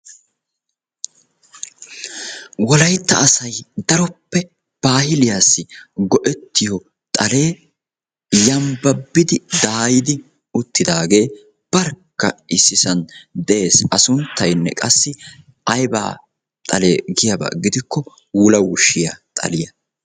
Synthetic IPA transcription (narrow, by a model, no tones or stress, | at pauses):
wɔlɐjt̪ːɐ̰ːsɐjd̪ɐɾɔpːɛ | b̥aːhɪlɪjaːsːɪɡɔʔɛt̪ːɪjɔ | t̪ʼɐle̞ː | jɐmbɐbːɪd̪ɪd̪aːjɪd̪ɪ | ʊt̪ːɪd̪aːɡe̞ː | b̥ɐɾkːɐ̰ɪsːɪsɐnd̪ɛʔe̞ːsɐsʊnt̪ːɐjnːɛ̰kʼɐsːɪ | ɐjba̰ː | t̪ʼɐle̞ːɡɪjɐbɐ̰ɡɪd̪ɪkːɔ | wʊlɐwʊʃːɪja̰t̪ʼɐ̰lɪjɐ